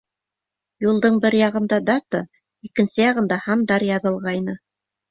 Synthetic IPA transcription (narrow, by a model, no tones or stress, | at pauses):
julˠd̪ɤɴbɘɾjɑʁɤ̆nd̪ɑd̪ɑt̪ə | ikɘ̆nsɘjɑʁɤ̆nd̪ɑhɑmd̪ɑɾjɑðɤ̆lˠʁɑjnɤ